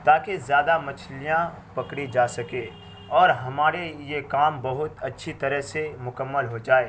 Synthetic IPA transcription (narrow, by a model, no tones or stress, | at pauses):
t̪aːkezjaːd̪amɐt͡ʃʰlijã | pɐkɽid͡ʒaːsɐkeː | ɔːɾɦɐmaːɾejekaːmbɐɦʊt̪ɐtːʃʰit̪ɐɾəɦsemʊkəmːəlɦod͡ʒaːeː